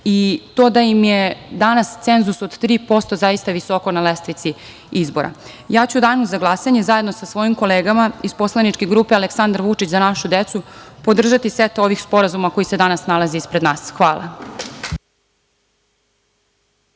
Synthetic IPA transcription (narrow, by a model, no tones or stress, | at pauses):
it̪o̞ːd̪aimjed̪anast̪senzusod̪t̪ɾiːpo̞st̪o̞zaist̪aʋiso̞ko̞nalest̪ɾit̪si | izbo̞̰ɾa̰ | jaːt͡ɕud̪aːnuzaɡlˠasaɲe̞zaje̞d̪nosasʋo̞jimko̞leːɡamaizpo̞slˠanit͡ʃkeɡɾuːpealeksand̪aɾʋut͡ʃit͡ɕzanaʃud̪et̪supo̞d̪r̩ʒat̪isʋet̪o̞ʋixspo̞ɾazumako̞jise̞d̪anasnalˠaziispɾed̪naːsxʋaːlˠʔa̰